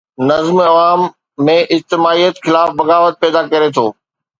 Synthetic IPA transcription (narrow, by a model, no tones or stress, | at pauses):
nɐzmɐʋaːmː | ẽʔɪd͡ʑt̪ɪmaːijət̪xɪlaːfbɐɣaːʋət̪̚pɛːd̪akɐɾet̪ʰoː